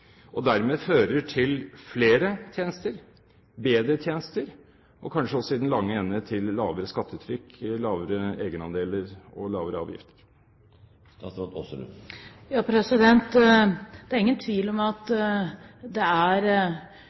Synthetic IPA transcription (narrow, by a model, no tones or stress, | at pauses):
ʔɔd̪æɾmeːføːɾəʈʰɪlfleːɾət̪ʰjeːnəst̪əɾ | beːd̪ɾət̪ʰjeːnəst̪əɾ | ʔɔkʰɑnʂəɔsɔɪd̪n̩lɑŋːəɛnːət̪ʰɪlːɑːʋəɾəskɑt̪ːəʉːt̪ʰɾʏkːlɑːʋəɾəeːɡənɑ̰nd̪eːləɾɔ̰lɑːʋəɾəɑ̰ːʋjɪ̰ft̪ʰə̥ɾ | d̪ɔ̰sɔl̰jɑːpʰɾɛsɪd̪ɛnt̪ | d̪̥æɾɪŋːənt̪ʰʋiːlɔmɑt̪ | d̪ɛæɾ